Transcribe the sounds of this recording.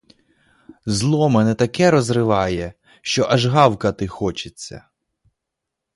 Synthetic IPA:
zlˠɔmɛnɛt̪ɐkɛɾɔzrɪʋɑjɛ | ʃt͡ʃɔʔɐʒɦɑwkɐt̪ɪxɔt͡ʃɪt͡sʲːɐ̰

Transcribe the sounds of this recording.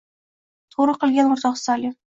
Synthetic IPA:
t̪ʰoɾəqɨ̆lˠɡʲanʊɾt̪ʰɑqsɑlʲi

